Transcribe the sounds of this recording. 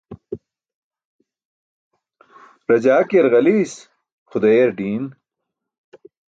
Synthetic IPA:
ɾɐd͡ʑaːkeɾɣɐlis | xud̪ejeɾɖiːn

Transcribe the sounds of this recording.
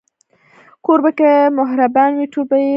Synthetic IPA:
koɾbəkemʊɦɾabanwiʈʰubə

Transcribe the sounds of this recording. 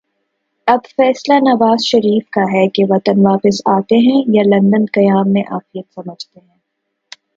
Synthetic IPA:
ɐbfɛːslanɐʋaːzʃɐɾiːfkaɦɛkeʋɐt̪ənʋaːpɪsaːt̪eɦɛ̃jalɐ̃nd̪ənkɐjaːmːẽʔaːfijət̪sɐməd͡ʒʱt̪eɦɛ̃ː

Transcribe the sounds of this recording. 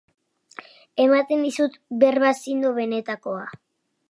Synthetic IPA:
e̞mat̪e̞nd̪isut̪be̞ɾβasind̪oβe̞ne̞t̪ako̞a

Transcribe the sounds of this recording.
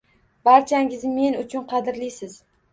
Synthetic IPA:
baɾt͡ʃʰaŋʲɪzme̞nʊt͡ʃʰʊnqʰɑd̪ɪɾlijsɪz̥

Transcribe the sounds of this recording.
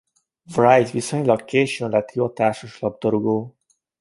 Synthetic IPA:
vrajt̪biso̞ɲlɒkkːeːʃonlɛt̪iɒt̪aːrʃoʃlɒb̚d̪ɒɾuɡoː

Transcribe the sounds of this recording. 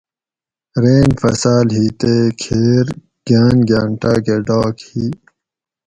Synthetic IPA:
ɾeːnfɐsaːlɦiːt̪ekʰeːɾ | ɡ̥aːnɡjaːɳʈaːɡeɖaːkhiː

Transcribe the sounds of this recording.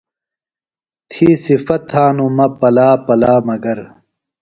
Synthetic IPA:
t̪ʰiːsifɐt̪ʰːaːnumɐpɐlaːpɐlaːmɐɡɐɾ

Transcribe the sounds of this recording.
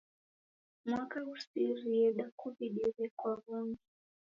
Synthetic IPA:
mwakausiɾiɛɗakuviɗɛɾɛkwaβɔŋɡɛ

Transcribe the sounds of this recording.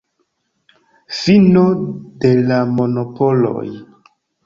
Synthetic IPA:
finode̞lamo̞nopolo̞̰j

